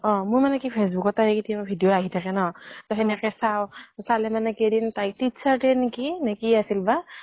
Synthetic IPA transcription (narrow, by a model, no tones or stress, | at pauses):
ɔ̃mʊɹmanɛkipʰes̬bukɔtaɦɛkitiababʱidijoaɦitʰakɛnɔtɔɦɛnakɛsawsalɛmanɛkedintajtitsatɛnkinekiasilba